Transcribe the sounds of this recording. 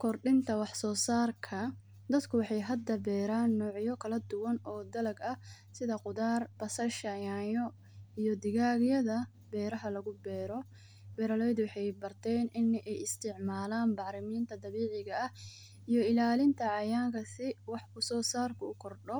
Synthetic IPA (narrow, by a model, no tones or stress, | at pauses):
kʰɔrɖɪnt̪ʰɐwɑħsɔːsaːrkʰɐ | d̪ɐd̪kʰʊwɑħɑjɦɐd̪ɐbɛːɾaːnːɔːʕjɔkʰɐlɐd̪ʊwɐnɔːd̪ɐlɐɡɐ | sɪðɐqʊðaːrb̥ɐsɐʃɐjaːjɔ | ijɔd̪ɪɣaːɣjɐðɐ | b̥ɛːɾɐɦɐlɐɣʊbɛːɾɔ | b̥ɛːɾɐlɔjd̪ʊwɑħɑjbɐrt̪ʰɛːnɪnʔɛjɪst̪ʰɪʕmaːlaːnbɑʕɾɪmiːnt̪ʰɐd̪ɐβiːʕɪɣɐɐh | ijɔɪlaːlɪnt̪ʰɐʕɑjaːŋkʰɐsɪwɑħkʊsɔːsaːrkʰʊʊkʰɔrɖɔ